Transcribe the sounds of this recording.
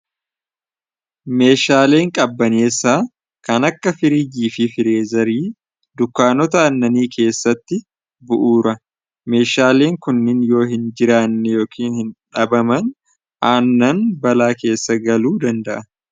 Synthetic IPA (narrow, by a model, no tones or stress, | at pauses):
me̞ːʃaːle̞ːŋkʼɐbːɐneːsaː | kɐnɐkːɐfɪɾid͡ʒiːfɪfɪɾeːzɐɾiː | d̪ʊkːaːnɔt̪ɐɐnːɐniːkʰe̞ːsːɐt̪ːɪ | bʊʔuːɾɐ | me̞ːʃaːle̞ːŋkʊnːɪnjo̞ːhɪnd͡ʒɪɾaːnːɛjo̞ːkʰiːnhɪnᶑɐbɐmɐn | ʔaːnːɐnbɐlaːke̞ːsːɐɡɐluːd̪ɐnd̪ɐʔɐ